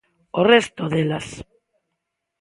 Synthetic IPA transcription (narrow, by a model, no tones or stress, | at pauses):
orest̪oðelas